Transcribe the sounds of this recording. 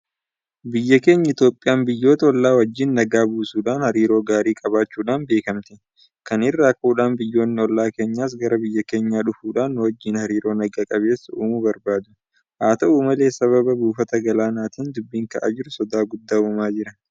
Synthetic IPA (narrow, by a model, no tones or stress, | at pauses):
bɪjːɐke̞ːɲːɐɪt̪jo̞ːpʼːɪjaːnbɪjːo̞ːt̪ɐɔlːaːwɐd͡ʒːiːnːɐɡaːbuːsuːᶑaːnhɐɾiːɾo̞ːɡaːɾiːkʼɐβaːt͡ʃːuːᶑaːnbe̞ːkɐmt̪ɪ | kɐnɪrːaːkuːᶑaːnbɪjːo̞ːnːɪɔlːaːke̞ːɲːaːs̬ɡɐɾɐbɪjːɐke̞ːɲːaːᶑʊfuːᶑaːnːʊwɐd͡ʒːiːnhɐɾiːɾo̞ːnɐɡaːkʼɐβe̞ːsːɐuːmʊbɐɾbaːd̪ʊ | haːt̪ɐʔuːmɐle̞ːsɐβɐbɐbuːfɐt̪ɐɡɐlaːnaːt̪iːnd̪ʊbːiːŋkɐʔa̰ːd͡ʒɪɾʊsɔd̪aːɡʊd̪ːaːʊmaːd͡ʒɪɾɐ